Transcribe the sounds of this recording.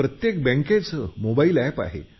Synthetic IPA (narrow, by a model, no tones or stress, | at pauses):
ɾət̪jek̚bɛ̃ŋkẽt͡səmobailɛpa̰ɦḛ